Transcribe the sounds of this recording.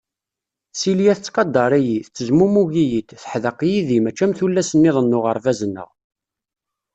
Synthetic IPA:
siljæθət͡sːqɑd̪ˤːɑɾˤijiθt͡sːəzmumuʝijit̪θə̥ħðəqjiðimæt͡ʃːæmθulːæsənːɪðˤənːʊʁəɾˤvæzənːə̰ʁ

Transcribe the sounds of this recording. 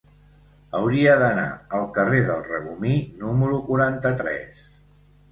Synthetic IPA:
əwɾiəðəna̰əlˠkəreðəlˠrəβuminuməɾukuɾant̪ət̪ɾɛ̰s

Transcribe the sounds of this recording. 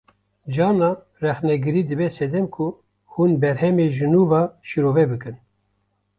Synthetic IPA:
d͡ʒɑːnɑː | rɛxnɛɡɨɾiːd̪ɨbɛsɛd̪ɛmkʰu | hunbɛɾhɛmeʒɨnuːvɑːʃiɾoːvɛbɨkɨn

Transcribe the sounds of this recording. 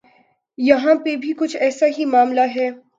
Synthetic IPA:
jɐɦãpebʱikʊt͡ʃʰɛːsaɦimaːmlaɦɛː

